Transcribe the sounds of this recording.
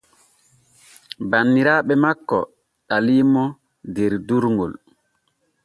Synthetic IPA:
banːiɾaːɓɛmakːɔ̰ | ɗaliːmɔ | deɾduɾŋɡo̰l

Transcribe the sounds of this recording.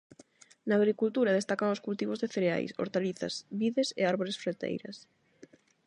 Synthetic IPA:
naːɣɾikult̪uɾað̞est̪akaŋoskult̪iβozðeθeɾea̰jso̰ɾt̪aliθa̰sβiðesḛaɾβoɾesfɾet̪ḛjɾɐ̰s

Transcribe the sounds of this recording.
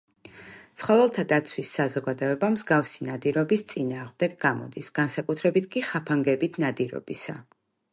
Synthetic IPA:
t̪sʰχɔvɛlˠt̪ʰad̪at̪sʰwisːazɔɡad̪ɔɛbamzɡafsinad̪iɾɔbist̪sʼinaːʁmd̪ɛɡɡamɔ̰d̪isɡ̥ansakʼut̪ʰɾɛbit̪ʰkʼiχapʰaŋɡɛbit̪ʰnad̪iɾɔ̰b̥isa

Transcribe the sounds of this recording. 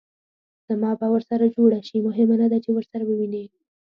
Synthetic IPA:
z̥amɑbawəɾsaɾad͡ʒoɽaʃimʊɦɪmanad̪at͡ʃewəɾsaɾawəwine

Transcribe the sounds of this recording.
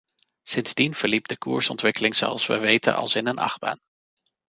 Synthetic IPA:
sɪnz̥dinv̥əɹlib̚dəkṵːɹsɔntʋɪkəlɪŋzo̰ɑ̰lˠsʋə̰ʋejtə̰nɑ̰lˠsɪnənʔɑ̰χba̰ːn

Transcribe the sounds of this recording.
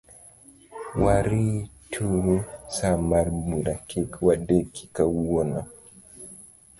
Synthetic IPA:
waɾitʰuɾusamaɾbuɾakikwadeki̥kawwɔna

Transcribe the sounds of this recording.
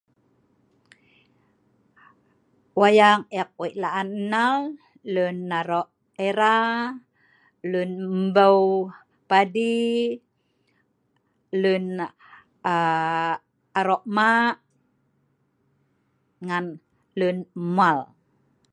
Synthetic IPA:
wajaŋɛk̚wiʔlaʔannal | lunːaɾɔʔ | eɾa | lunəbəw | padi | lun | aɾɔʔmaʔ | ŋan | lunmual

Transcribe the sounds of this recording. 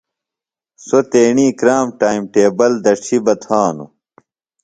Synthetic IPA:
sot̪eːɳiːkɾaːmʈaːimʈeːbɐld̪ɐʈ͡ʂʰibɐt̪ʰaːnṵ

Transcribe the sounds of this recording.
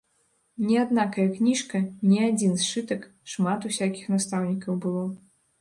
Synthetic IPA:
nʲɛad̪nakɐjɐknʲiʂkɐnʲɛad͡zʲinsʂɨt̪ɐk | ʂmat̪usʲakʲixnast̪awnʲikɐwbɨlˠɔ

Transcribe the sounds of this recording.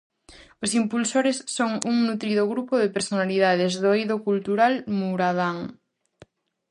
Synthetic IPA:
osimpulsoɾesːoŋuŋnut̪ɾiðoɣɾupoðepeɾsonaliðaðezðojðokult̪uɾalmuɾaðaŋ

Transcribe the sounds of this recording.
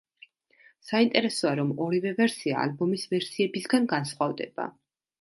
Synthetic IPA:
saint̪ʼɛɾɛsɔaɾɔmɔɾivɛvɛɾsia̰ːlbɔmisvɛɾsiɛbisɡanɡansχwavd̪ɛ̰b̥a̰

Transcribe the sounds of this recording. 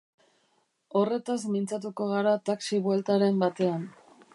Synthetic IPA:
o̞re̞t̪azmint͡sat̪̬uko̞ɣaɾat̪aksiβwe̞lt̪aɾe̞mbat̪e̞an

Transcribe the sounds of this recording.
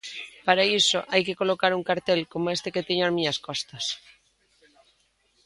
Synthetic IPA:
paɾaisoʔajkekolokaɾuŋkaɾt̪elkomoest̪eket̪eɲoazmiɲaskɔst̪ɐs

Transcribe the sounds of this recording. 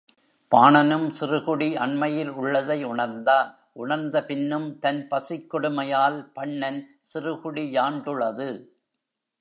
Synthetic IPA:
paːɳɐnɯmsɪrɯɣʊɽiʔɐɳmɐjɪlʊɭːɐðɐɪʊɳɐɾnd̪aː | ʔʊɳɐɾnd̪ɐpɪnːɯmt̪ɐnpɐsɪkːɔɽɯmɐjaːlpɐɳːɐn | sɪrɯɣʊɽijaːɳɖɯɭːɐðɯ

